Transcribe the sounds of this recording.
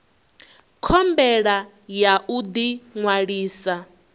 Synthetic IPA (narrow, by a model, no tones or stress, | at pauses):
kʰɔmbɛɺa | jaʔud̪iŋwaɺiːsa